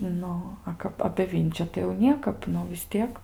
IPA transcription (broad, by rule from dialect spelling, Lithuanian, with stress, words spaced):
ˈnʊ ˈɐ kɐp ɐpʲeː ˈʋʲɪnʲt͡ʃʲʊ tɐɪ jɛʊ ˈnʲiɛkɐp ˈnʊ ʋʲɪs ˈtʲiɛk